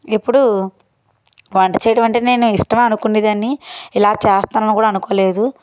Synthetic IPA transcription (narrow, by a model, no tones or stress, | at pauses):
ipːuɽu | ʋɐɳʈɐt͡ʃɛːjɐʈɐʋɐɳʈeːne̞ːnuiʂʈɐmeːɐnukunːid̪ɐniilaːt͡ʃɛːst̪aːnɐnukuːɽaːnukoːle̞ːd̪u